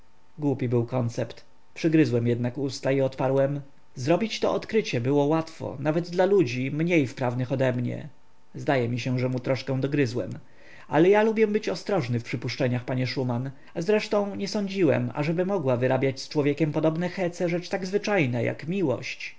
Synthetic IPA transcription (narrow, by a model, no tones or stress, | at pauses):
ɡwupʲibɘwkɔnt̪sɛpt̪ | pʂɘɡɾɘzwɛmjɛd̪nakust̪aiɔt̪paɾwɛm | zɾɔbʲit͡ɕt̪ɔɔt̪kɾɘt͡ɕɛbɘwɔwat̪fɔ̰navɛd̪d̪lalud͡ʑimɲejfpɾavnɘxɔd̪ɛmɲɛ̰ | zd̪ajɛmʲiɕɛʐɛmut̪ɾɔʂkɛ̃w̃d̪ɔɡɾɘzwɛ̰m | ʔalɛjalubʲjɛmbɘt͡ɕɔst̪ɾɔʐnɘfpʂɘpuʂt͡ʂɛɲaxpaɲɛʂuman | azɾɛʂt̪ɔ̃w̃ɲɛsɔɲd͡ʑiwɛ̰ma̰ʐɛbɘmɔɡwavɘɾabʲjat͡ɕst͡ʂwɔvʲjekʲɛmpɔd̪ɔbnɛxɛt̪sɛʐɛt͡ʂt̪aɡzvɘt͡ʂajnɛja̰kmʲiwɔ̰ɕt͡ɕ